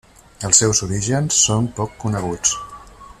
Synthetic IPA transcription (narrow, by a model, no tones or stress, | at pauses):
əlˠsːɛwzuɾiʒənsːompɔkːunəɣ̞ut͡s